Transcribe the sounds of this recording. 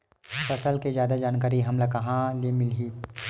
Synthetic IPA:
fɐsəlked͡ʒjaːd̪ad͡ʒaːnkaːɾiɦɐmlakɐɦãlemɪlɦiː

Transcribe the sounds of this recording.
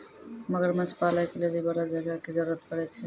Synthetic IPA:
məɡəɾmət͡ʃpaːlakelebibəɽad͡ʒəɡakizəɾuɾət̪̚kəɾɛt͡ʃʰɛ

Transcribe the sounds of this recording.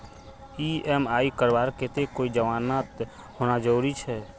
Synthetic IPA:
iːɛmaːikəɾbaːɾket̪ekoːid͡ʒəʋaːnaːt̪ | ɦoːnad͡ʒəɾuːɾit͡ʃʰɛː

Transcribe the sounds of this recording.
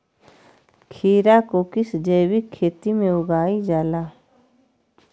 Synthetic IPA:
kʰiːɾakokɪsd͡ʒəːwikʰːeːt̪imẽʊɡaːid͡ʒaːlaː

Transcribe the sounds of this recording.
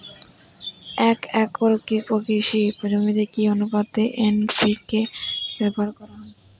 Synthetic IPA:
ɛkɛkɔɾokipokiʃipod͡ʑomid̪ekionupad̪ːeʔenfikebɛpoaɾkɔɾaɦɔ

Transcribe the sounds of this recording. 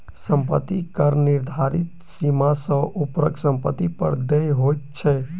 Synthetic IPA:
səmpə̰t̪ːikəɾniɾd̪ʱaɾit̪ | simasə̃ʔupɾəksəmpət̪ːipə̰ɾd̪ejɦojt̪t͡ʃʰɛ

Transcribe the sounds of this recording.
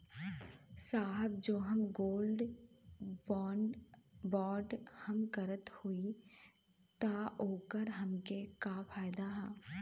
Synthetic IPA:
saːɦəb̚d͡ʒoːɦɐmɡoːlɖ | bɔːɳɖ | bɔːɾɖhɐmkɐɾət̪hui | t̪aoːkəɾɦɐmkekapʰaːjd̪aɦɛ̃ː

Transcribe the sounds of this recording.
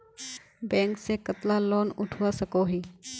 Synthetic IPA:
bɛ̃ːŋksekɐt̪lalɔːnʊʈʰwasɐkoːɦiː

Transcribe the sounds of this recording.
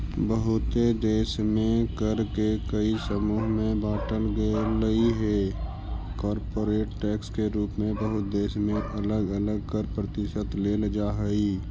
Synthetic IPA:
bəɦʊt̪ed̪eːʃmẽkəɾkekəisəmuːɦmẽbaːʈəlɡeːləiɦɛ | kɔːɾpoːɾeːʈʈɛːkskeɾuːpmẽbəɦʊt̪̚d̪eːʃmẽʔələɡələɡ̚kəɾpɾət̪ɪʃət̪leːləd͡ʒaɦəiː

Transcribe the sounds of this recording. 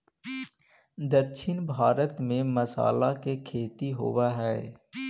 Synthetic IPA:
d̪əɾʃʰɪnbʱaːɾət̪mẽməsa̰ːlakekʰeːt̪iɦo̰waɦɛː

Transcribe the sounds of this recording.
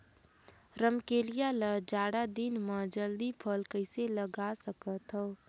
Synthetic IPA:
ɾəmkeːlijaləd͡ʒaːɽad̪inmə̃d͡ʒəld̪ipʰəlkəɪseləɡasəkət̪ɦɔː

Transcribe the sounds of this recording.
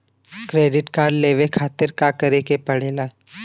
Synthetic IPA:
kɾeːɖɪʈkaːɾɖleːʋekʰaːt̪ɪɾkakəɾekepɐɽ̤eːlaː

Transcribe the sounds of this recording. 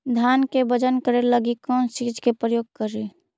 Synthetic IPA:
d̪ʱjaːnkebəd͡ʒənkəɾeləɡikɔ̃ːnsid͡ʒkepɾəjoːɡ̚kəɾi

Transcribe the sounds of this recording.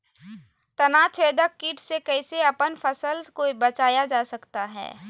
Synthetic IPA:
t̪ɐnaːt͡ʃʰeːd̪əkkːiːʈsekɛɪseɐpənfʰɐsəlkoibɐt͡ʃaːjad͡ʒaːsɐkt̪aɦɛ̰ː

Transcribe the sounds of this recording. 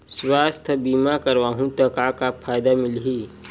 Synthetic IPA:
swaːst̪ʰəbiːmakɐɾʋaːɦũt̪ɐkakapʰaːjd̪amɪlɦiː

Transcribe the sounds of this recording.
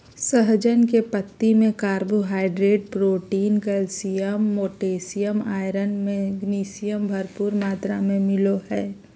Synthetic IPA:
səɦd͡ʒənkepət̪ːimẽkaːɾbuɦaːɪɖɾeːʈ̚pɾoːʈiːnkəlsijəmːoːʈeːsijəmaːɪɾənmẽɡniːsijəmbʱɐɾpuːɾmaːt̪ɾamẽmɪloɦɛː

